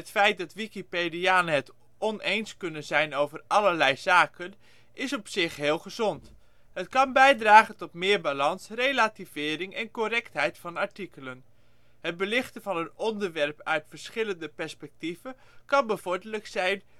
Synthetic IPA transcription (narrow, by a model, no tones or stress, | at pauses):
ətfɛjt̚dɑtʋikipediaːnəɦət | ɔnejnskɵnənzɛjnowvərɑləɹlɛjzaːkən | ɪsɔpsɪχɦɪːlˠχəzɔnt | ɦətkɑnbɛjdraːχəntɔtmɪːɹbalɑnsrejlativ̥ɪːɾɪŋɛnkorɛktɦɛjtfɑnɑɹtikələn | ɦətd̚bəlɪχtəvɑnənɔndəɹʋɛrpœɥtfəɹsχɪləndəpɛɹspɛk̚tivə | kɑnbəvʊːɹdəɹləksɛjn